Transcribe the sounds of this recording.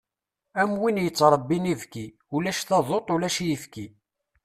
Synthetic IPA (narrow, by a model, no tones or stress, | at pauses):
æmwinjət͡sːɾˤəbːinivki | ulæʃθɑðˤot̪ˤʊlæʃjəfki